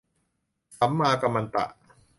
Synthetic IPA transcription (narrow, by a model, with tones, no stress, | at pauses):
sa˩˦mːaː˧ka˧mːa˧nt̪a̰˨˩ʔ